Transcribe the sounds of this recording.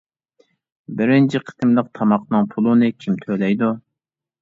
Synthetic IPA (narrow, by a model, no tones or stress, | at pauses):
bɪɾɪnt͡ʃʰiqʰə̥t̪ʰɨmlˠəq̚t̪ʰɑmɑqnɨŋpʰulˠunɨkʲʰimt̪ʰølɛjd̪u